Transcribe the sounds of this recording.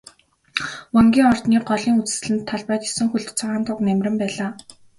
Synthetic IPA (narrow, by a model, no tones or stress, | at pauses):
wɔŋɡʲiːŋɔr̥t̪niːɢɔɮiːŋut͡sɘ̥̆sɘ̆ɮɘ̆nt̪ʰːaɮpæːt̪asɘ̆ŋxuɮt̪t͡sʰawaːnt̪ʰʊknæmʲrʲɘ̆mpæːɮaː